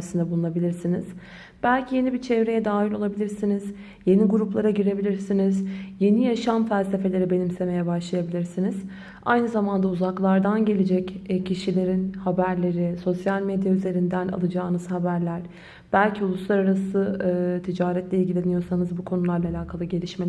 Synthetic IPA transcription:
sind̪ɛbulˠunabilʲiɾsiniz̥ | b̥ælʲcʰije̞nibit͡ʃʰevɾe̞jɛd̪aːɦilʲo̞lˠabilʲiɾsiniz̥ | je̞niɡuɾuplˠaɾaɟiɾe̞bilʲiɾsinizje̞nijaʃamfælʲse̞fe̞lʲe̞ɾibe̞nimse̞me̞jɛbaʃlˠajabilʲiɾsiniz̥ | a̰jnɯzamand̪auzaklˠaɾd̪anɟe̞lʲed͡ʒɛcːcʰiʃilʲe̞ɾinhabæɾlʲe̞ɾɪso̞sjalʲmed̪jayze̞ɾind̪æna̰lˠɯd͡ʒaːnɯz̥habæɾlʲæɾ̥ | b̥ælʲcʰiulˠuslˠaɾaɾasɯːt̪ʰid͡ʒaːɾɛt̪lʲeilʲɟʲilʲe̞nijo̞ɾsanɯzbukʰo̞nulˠaɾlˠaːlʲaːkʰalˠɯɟe̞lʲiʃme

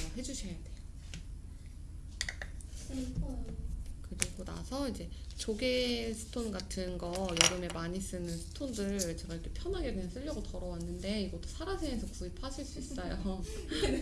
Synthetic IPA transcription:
maɦe̞d͡ʑuɕʰejadwe̞jo̥ | kɯɾiɡona̰sʰʌid͡ʑe̞t͡ɕoɡe̞sʰɯ̥tʰonɡatʰɯnɡʌjʌɾɯme̞maɲis͈ɯnɯnsʰɯ̥tʰondɯɾt͡ɕeɡajkʰepʰjʌnɦaɡe̞kɯɲaŋs͈ʰɯʎːʌɡotʌɾʌwanːɯnde̞iɡʌt͈osʰaɾasʰeŋesʰʌkuipʰaɕʰiɭs͈uis͈ʌjo

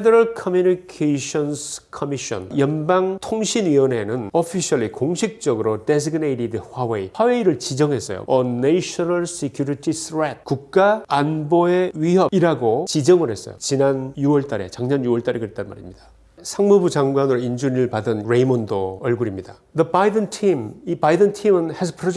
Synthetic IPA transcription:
edʌɾʌɭkʰʌmjunikʰeiɕʰʌnskʰʌmiɕʌ̰njʌnbaŋtʰoŋɕʰiniʌne̞nɯnʌpʰiɕʰʌɭikoŋɕʰik̚t͡ɕ͈ʌɡɯɾode̞s̬iɡineiɾidɸaweihwawe̞iɾɯɭt͡ɕid͡ʑʌŋɦe̞s͈ʌ̰jo̰ʌnːeɕʰʌnaɭsekʰjuɾitʰisʰɾet̚kuk̚k͈aanboe̞ɥiɦʌiɾaɡot͡ɕid͡ʑʌŋɯɭhe̞s͈ʌ̰jo̰t͡ɕinanjuwʌɭt͈aɾe̞t͡ɕaŋɲʌnjuwʌɭt͈aɾekɯɾet͈anma̰ɾimɲida | sʰaŋmubud͡ʑaŋɡwanɯɾoind͡ʑuniɾɯɭpadɯnɾeimondoʌɭɡuɾimɲida | dʌbaidɯntʰimipaidɯntʰimɯnhesʰpʰɾo

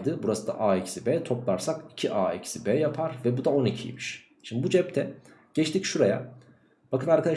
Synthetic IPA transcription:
d̪ɯbuɾasɯd̪a̰ʔaːicsibɛːt̪ʰo̞plˠaɾsaki̥cʰiʔaːicsibɛːjapʰaɾvɛbud̪ao̞nicʰijḭmiʃ | ʃimd̪ibud͡ʒɛp̚t̪ʰɛ | ɟ̥ɛt͡ʃt̪ʰicʃuɾaja̰ | b̥akɯnaɾkʰad̪a

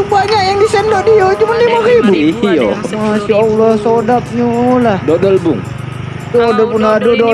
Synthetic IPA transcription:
ubaɲaʔjaŋdisɛndɔʔdiod͡ʒumanlimaɾibuiijo̰maʃaːlːɔhsodap̚ɲulahdodəlbʊ̰ŋ | t̪uadapunadədo

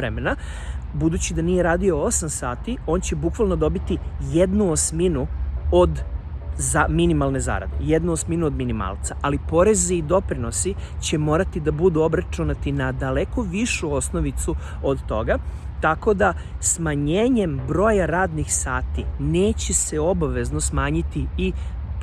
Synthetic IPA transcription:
ɾemena | bud̪uːt͡ɕid̪anije̞ɾaːd̪io̞o̞samsaːt̪io̞ːnt͡ɕe̞bukʋalˠno̞d̪o̞bit̪ije̞d̪nuosminuod̪zaminimalne̞za̰ːɾa̰d̪e̞̰je̞d̪nuosminuo̞d̪minima̰ːlˠt̪saʔalipo̞ɾe̞ziːd̪o̞pɾino̞si | t͡ɕe̞mo̞ːɾat̪id̪abud̪uobɾat͡ʃunat̪inad̪ale̞ko̞ʋiʃuo̞sno̞ʋit̪su | o̞d̪t̪o̞ɡa | t̪ako̞d̪a | smaɲeːɲe̞mbɾo̞ːjaɾaːd̪nixsaːt̪ineːt͡ɕe̞se̞o̞baʋe̞zno̞smaːɲit̪ii

